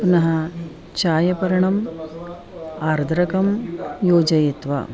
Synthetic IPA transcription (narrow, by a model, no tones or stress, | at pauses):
pnɐɦɐ | t͡ʃaːjɐpɐɾɐɳɐm | aːɾd̪ʱɾɐkɐmjoːd͡ʒɐjet̪ʋɐ̰